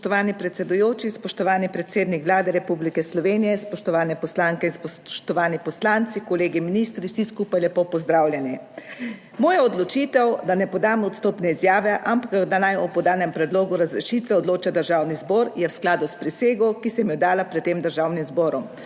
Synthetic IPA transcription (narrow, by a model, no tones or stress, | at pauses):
spɔʃt̪ɔʋaːnipɾɛt̪sɛd̪ujoːt͡ʃispɔʃt̪ɔʋaːnipɾɛt̪seːd̪nikʋlaːd̪ɛɾɛpublikɛslɔʋenijɛspɔʃt̪ɔʋaːnɛpɔslaŋkɛinspɔʃt̪ɔʋaːnipɔslant̪sikɔleːɡiminist̪ɾiwsiskupajlɛpoːpɔzd̪ɾawlʲjɛni | mɔːjaɔd̪lɔt͡ʃiːt̪ɛwd̪anɛpɔd̪amɔt̪st̪oːpnɛizjaːʋɛʔampakd̪anajɔpɔd̪aːnɛmpɾɛd̪loːɡuɾazɾɛʃit̪ʋɛɔd̪loːt͡ʃad̪əɾʒaːwnizbɔːɾjɛwsklaːd̪uspɾiseːɡɔkisɛmjɔd̪aːlapɾɛt̪ːeːmd̪əɾʒawnimzbɔːɾɔm